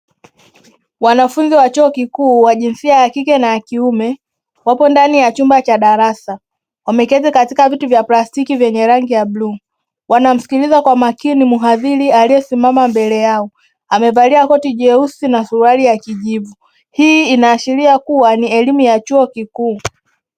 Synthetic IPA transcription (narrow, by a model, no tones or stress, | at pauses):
wanafunziwat͡ʃuɔkikuːwaʄinsiajakikɛnajakiumɛ | wapɔndanijat͡ʃumbat͡ʃaɗaɾasa | wamɛkɛzɛkatikavituvjaplastikivjɛɲɛɾaŋɡijabluː | wanam̩si̥kilizakwamakinimuɦaðiɾialijɛsimamambɛlɛjaɔ | amɛvaliakɔtiʄɛusinasualijakiʄivu | hiːinaːʃiɾiakuwaniɛlimujat͡ʃuɔkikuː